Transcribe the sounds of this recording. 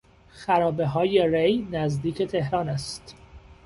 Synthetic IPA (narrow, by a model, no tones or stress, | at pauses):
xæɾɒːbe̞ɦɒːje̞rejnæzd̪iːcʰet̪ʰe̞ɦɾɒːnæst̪